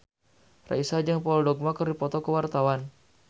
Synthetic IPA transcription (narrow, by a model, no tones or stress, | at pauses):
ra̰isad͡ʒəŋpaɔldɔɡ̚makərdipɔt̪ɔkəwart̪awan